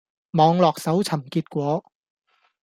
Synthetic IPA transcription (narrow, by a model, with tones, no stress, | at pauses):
mɔː˨˧ŋlɔː˨k̚sɐ˨˥wt͡sʰɐ˨˩mkiː˧t̚kʷɔː˨˧˥